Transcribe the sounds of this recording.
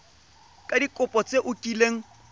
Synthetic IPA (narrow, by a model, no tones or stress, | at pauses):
kʼadikʼʊpʼɔt͡sʼeʔʊkʼileŋ̩